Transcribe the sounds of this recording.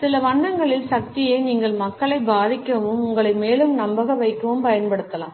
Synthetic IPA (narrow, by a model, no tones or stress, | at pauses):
sɪlɐʋɐɳːɐŋɡɐɭɪlsɐk̚t̪ɪjeːniːŋɡɐɭmɐkːɐɭɐɪbaːðɪkːɯɐmɯmʊŋɡɐɭɐɪmeːlɯmnɐmbɐɣɐʋɐɪkːɯʋɯmpɐjɐnpɐɽɯt̪ːɐla̰ːm